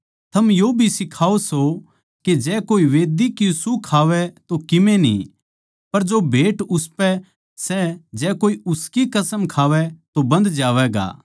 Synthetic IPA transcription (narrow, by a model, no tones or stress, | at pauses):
t̪ʰɐmjoːbʱisɪkʰaːoso | ked͡ʒɛːkoːiʋeːd̪ikisukʰaːʋɛt̪okɪmẽnḭ | pɐɾd͡ʒobʱeːʈʊspɛ | sɛd͡ʒɛːkoːiʊskikɐsəmkʰaːʋɛt̪obɐ̃nd̪d͡ʒaːʋɛɡa̰ː